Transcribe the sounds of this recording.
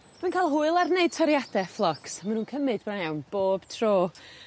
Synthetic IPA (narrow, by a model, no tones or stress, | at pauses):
mənkʰaːlˠɦuːɨlˠarneɨd̚tʰɔɾjadɛflˠɔksmanuːnkʰəmɨd̚branawnb̥oːb̥tʰroː